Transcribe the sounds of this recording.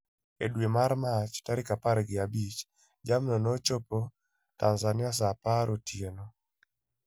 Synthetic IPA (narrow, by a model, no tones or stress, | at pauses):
ḛdwemaɾmat͡ʃtaɾɪkapaɾɡɪabit͡ʃ | d͡ʒamnɔnot͡ʃopo | tanzanɪas̬apaɾotjeno